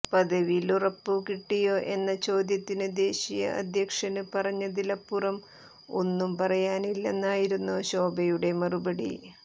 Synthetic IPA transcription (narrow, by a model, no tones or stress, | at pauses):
pɐd̪ɐʋilurɐpːukiʈːijo̞ːʔe̞nːɐt͡ɕo̞ːd̪jɐt̪ːinɨd̪e̞ːɕijɐ̰ʔɐ̰d̪ʱjɐkʂɐnɨpɐrɐɲːɐd̪ilɐpːurɐm | o̞̰nːumpɐrɐjaːnilːenːaːjiɾunːuɕo̞ːbɐjuɽe̞mɐrubɐɽḭ